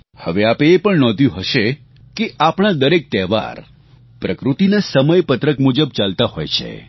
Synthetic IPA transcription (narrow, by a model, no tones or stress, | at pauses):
həʋeapeːpəɳnɔ̃d̪ʱjũɦəʃe | keʔapɽ̃ad̪əɾek̚t̪ɛɦʋa̰ɾ | pɾəkɾut̪inasəməjpət̪ɾəkmud͡ʒəb̚t͡ʃalt̪aɦo̰jt͡ʃʰḛ